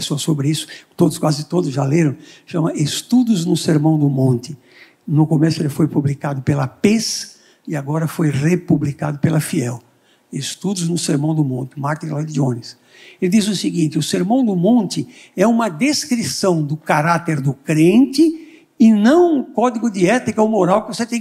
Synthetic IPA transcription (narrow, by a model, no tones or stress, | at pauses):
soɐsobɾɪisʊ̥t̪od̪ʊskwazɪt̪od̪ʊzʒaleɾɐ̃w̃ʃɐ̃mɐest̪ud̪ʊznʊseɾmɐ̃w̃d̪ʊmõnt̪ɪ | nʊkomɛsʊelɪfojpublikad̪ʊpelɐpes | ɪaɡɔɾɐfojʁepublikad̪ʊpelɐfiɛw | est̪ud̪ʊznʊseɾmɐ̃w̃d̪ʊmõnt̪ɪmaɾt̪ĩlojd̪õnɪs | elɪd̪izʊsɪɡĩnt̪ɪʊseɾmɐ̃w̃d̪ʊmõnt̪ɪ | ɛũmɐd̪eskɾisɐ̃w̃d̪ʊkaɾat̪eɾd̪ʊkɾẽnt̪ɪ | ɪnɐ̃w̃ũkɔd̪iɡʊd̪ɪɛt̪ikɐomoɾawkɪvoset̪ẽj̃